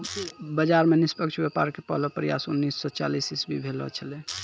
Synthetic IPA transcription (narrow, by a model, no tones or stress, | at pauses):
bəd͡ʒaɾmenispəkt͡ʃʰbepaɾkepə̰ɦlɔpɾija̰sunːisːɔt͡ʃa̰lisisbʱibʱelɔ̰t͡ʃʰəle